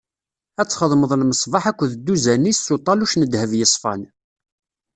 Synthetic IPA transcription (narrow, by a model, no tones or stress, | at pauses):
æt͡sːχəðˤməðˤlməsˤvɑħækʷːðəd̪ːuzænisːut̪ˤɑluʃnəd̪həvjəsˤfɑn